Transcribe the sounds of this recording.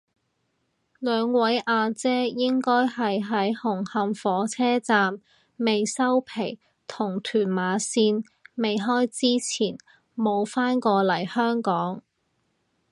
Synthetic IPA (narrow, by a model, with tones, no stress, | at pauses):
lœː˨˧ŋwɐ˨˥jʔaː˧t͡sɛː˥jɪ˥ŋkɔː˥jɦɐ˨jɦɐ˨˥jhʊ˨˩ŋhɐ˨˧mfɔː˨˥t͡sʰɛː˥t͡saː˨mː | e˨jsɐ˥wpʰe˨˩j | t̪ʰʊ˨˩ŋt̪ʰyː˨˩nmaː˨˧siː˧n | me˨jɦɔː˥jt͡siː˥t͡sʰiː˨˩n | mo˨˧wfaː˥nkɔː˧lɐ˨˩jhœː˥ŋkɔː˨˥ŋ